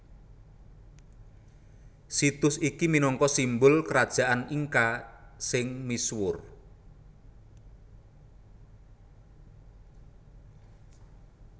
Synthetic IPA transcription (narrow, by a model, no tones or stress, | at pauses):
sit̪ʊsikiminɔŋkɔsimbʊlkəɾad̥ʒ̥a̤ʔaniŋkasɪŋmiswʊr